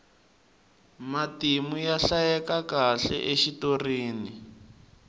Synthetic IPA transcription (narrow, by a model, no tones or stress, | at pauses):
matimujaɬajɛkakaɬɛ̰ʔeʃitoriːni